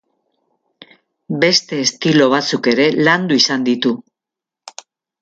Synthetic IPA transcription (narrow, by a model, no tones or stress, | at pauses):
be̞st̪e̞ːst̪ilo̞β̞at͡suke̞ɾe̞land̪uisand̪it̪u